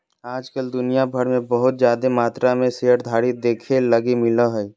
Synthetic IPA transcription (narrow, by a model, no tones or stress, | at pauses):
aːd͡ʒkəld̪ʊnijabʱəɾmẽbəɦʊt̪d͡ʒjaːd̪emaːt̪ɾamẽseəɾd̪ʱaːɽid̪eːkʰeləɡimɪləɦɛi